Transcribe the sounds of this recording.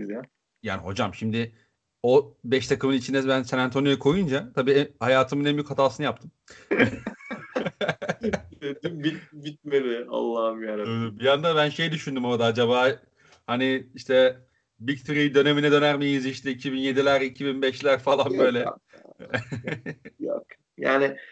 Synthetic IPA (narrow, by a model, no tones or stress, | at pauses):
izja | ja̰ːniho̞d͡ʒamʃimd̪ɪ | obɛʃt̪ʰakʰɯmɯnit͡ʃʰind̪ɛbænsenant̪ʰo̞nijɛkʰo̞jund͡ʒat̪ʰabiːhajaːt̪ʰɯmɯnɛmjychat̪ʰaːsɯnɯjap̚t̪ʰɯm | d̪imbit̪bit̪̚med̪ɪa̰lˠːaɦɯmjaɾbijand̪abænʃe̞jd̪yʃynd̪ymo̞ɾd̪aad͡ʒabaː | haniiʃt̪ʰɛ | bikt̪ʰɾid̪ø̞ne̞minɛd̪ø̞næɾmijiziʃt̪ʰɛicʰibinje̞d̪ilʲæɾicʰibinbɛʃlʲæɾfalˠanbø̞jlʲɛ | jo̰k | ja̰ːnɪ